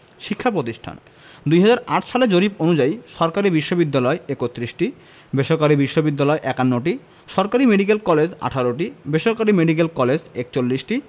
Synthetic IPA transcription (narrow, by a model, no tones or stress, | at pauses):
ʃikʰːapɾot̪iʃʈʰa̰n | d̪ujɦad͡ʑaɾaʈʰʃaled͡ʑoɾiponud͡ʑajʃɔɾkaɾibiʃːobid̪ːalɔeekot̪ːɾiʃʈi | beʃoɾkaɾibiʃːobid̪ːalɔeʔɛkanːoʈ̬i | ʃɔɾkaɾimeɖikelkɔled͡ʑa̰ʈʰaɾoʈ̬ibeʃoɾkaɾimeɖik̬elkɔled͡ʑekt͡ɕolːiʃʈi